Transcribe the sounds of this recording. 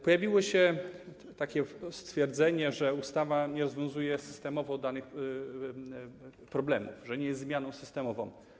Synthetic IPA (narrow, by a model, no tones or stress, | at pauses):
pɔjavʲiwɔɕɛ | t̪akʲɛst̪fʲjɛɾd̪zɛɲɛʐɛust̪avaɲɛɾɔzvʲjɔ̃w̃zujɛsɘ̥st̪ɛmɔvɔd̪anɘx | pɾɔblɛmṵfʐɛɲɛjɛszzmʲjanɔ̃w̃sɘ̥st̪ɛmɔvɔ̰̃w̃